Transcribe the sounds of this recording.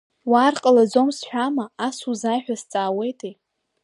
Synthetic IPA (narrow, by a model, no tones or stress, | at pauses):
waːrqʼalad͡zomsħʷᶣamaːsuzaːjħᶣast͡sʼaːwe̞jtʼʰe